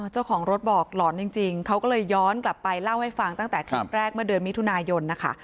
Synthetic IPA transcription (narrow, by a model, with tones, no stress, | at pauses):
ʔɤː˧˩t͡ɕa˥˩wkʰɔː˩˦ŋɾo˦˥t̪̚bɔː˨˩k̚lɔː˩˦nt͡ɕi˧ŋt͡ɕi˧ŋkʰa˦˥wkɔː˥˩lɤː˧jːɔː˦˥nkla˨˩pːa˧jla˥˩wha˥˩jfa˧ŋt̪a˥˩ŋt̪ɛː˨˩kʰɾaː˦˥˩p̚ɾɛː˥˩k̚mɯ˥˩ədɯ˧ənmi˦˥t̪ʰu˧naː˧jo˧nːa˦˥kʰa̰˥˩